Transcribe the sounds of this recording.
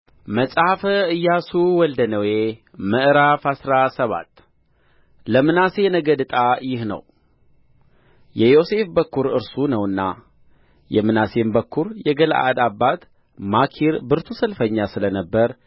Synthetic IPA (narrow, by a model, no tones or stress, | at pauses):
məsʼhafəɨjːasuwɔld̪ənəweməʔɾafasɾasəβa̰t̪ː | ləmɨnase̞nəɡəd̪ɨt̪ʼajɪhnə̰w | jɛjo̞se̞fbəkːuɾɨɾsunəwɨnːa̰ | jɛmɨnase̞mbəkːuɾjɛɡəlʔa̰d̪abːat̪ | makʰiɾbɨɾt̪ʰusəlfəɲːasɨlənəbːəɾ